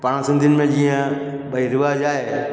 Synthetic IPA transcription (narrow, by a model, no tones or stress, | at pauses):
paːɽ̃sɪ̃nd̪ʱiʊnɪ̆mẽd͡ʑiːə̃ | bɐiɾɪʋaːd͡ʑaːɦeː